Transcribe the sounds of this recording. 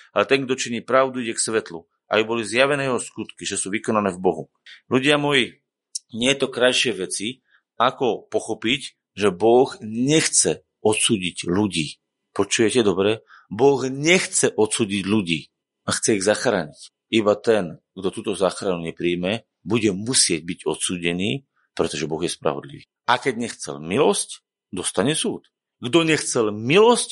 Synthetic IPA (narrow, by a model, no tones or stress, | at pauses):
alɛt̪ɛŋɡd̪ɔt͡ʃiɲiːpɾaʊd̪uiɟɛksʋɛt̪lu | ʔa̰jubɔlizjaʋɛnɛːjɛɦɔskut̪kiʒɛsuːʋikɔnanɛːvbɔɦu | luɟɪamɔji | ɲɪɛt̪ɔkɾajʃɪɛʋɛt͡si | akɔpɔxɔpic | ʒɛbɔɣɲɛxt͡sɛ | ɔt̪suːɟiɟluɟiː | pɔt͡ʃujɛcɛd̪ɔbɾɛ | bɔɣɲɛxt͡sɛʔɔt̪suːɟiɟluɟiː | axt͡sɛiɣzaxɾa̰ːɲic | ibat̪ɛn | ɡd̪ɔt̪uːt̪ɔzaːxɾanuɲɛpɾiːmɛ | buɟɛmusɪɛɟ̚biɟɔt̪suːɟɛniː | pɾɛt̪ɔʒɛbɔɣjɛspɾa̰ʋɔ̰d̪lḭʋiː | akɛɟɲɛxt͡sɛ̰lmilɔsc | d̪ɔst̪aɲɛsuːt̪ | ɡd̪ɔɲɛxt͡sɛlmilɔsc